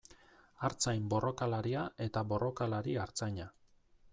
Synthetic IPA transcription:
aɾt͡sajmbo̞rʔo̞kalaɾiae̞t̪aβo̞rʔo̞kalaɾiaɾt͡sajɲa

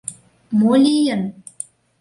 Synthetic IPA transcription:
molʲijən

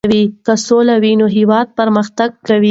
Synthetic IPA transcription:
wikəsolawinoɦɪwɑd̪̚pəɾməxt̪aɡ̚kawi

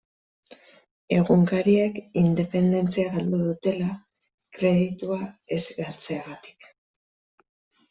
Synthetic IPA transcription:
e̞ɣuŋkaɾiekind̪e̞pe̞nd̪e̞nt͡siaɣald̪uðut̪e̞la | kɾe̞ðit̪uae̞zɡalt͡seaɣat̪i̥k

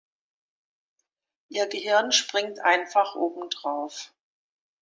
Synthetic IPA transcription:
ʔiːɐɡəɦɪɐnʃpʁ̥ɪŋtʔaɪnfaχʔoːbm̩dʁaʊf

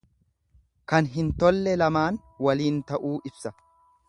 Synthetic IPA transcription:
kɐnɦɪnt̪ɔlːɛlɐmaːn | wɐliːnt̪ɐʔuːʔɪbsɐ

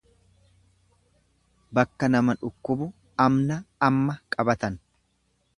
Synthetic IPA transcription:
bɐkːɐnɐmɐᶑʊkːʊbʊ | ɐmnɐːmːɐkʼɐbɐt̪ɐn

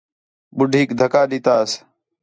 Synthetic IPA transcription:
ɓʊɖʱiːkd̪ʱəkaːɗit̪aːs

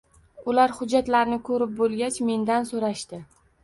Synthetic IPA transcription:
ʊlaɾhʊd͡ʒːat̪laɾnɪkʰɵɾɪp̚bolˠɡʲat͡ʃme̞nd̪ansoɾaʃt̪ɪ

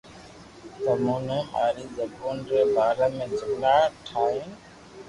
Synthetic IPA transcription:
səmuːnẽːma̰ːɾiːzəbuːnɾeːbaːɾeːmẽːd͡ʒʊmlaːʈʰaːɦẽː

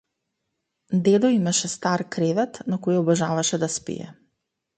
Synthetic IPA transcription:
d̪ɛd̪ɔimaʃɛst̪aɾkɾɛvɛt̪nakɔiɔbaʒavaʃɛd̪aspḭjɛ̰

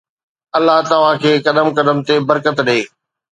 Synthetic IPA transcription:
ɐlːaɦt̪ɐʋakʰeːkɐɗ̪əmkɐɗ̪əmt̪ebɐɾkət̪ɗeː

